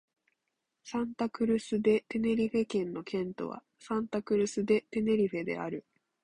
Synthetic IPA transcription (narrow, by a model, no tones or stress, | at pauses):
sãnt̪akɯ̟ɾɯ̟sɨd̪e̞t̪e̞ne̞ɾʲiɸe̞kẽ̞nːo̞kʰẽ̞nt̪o̞̰βa̰ | sãnt̪akɯ̟ɾɯ̟sɨd̪e̞t̪e̞ne̞ɾʲiɸe̞d̪ḛa̰ɾɯ̟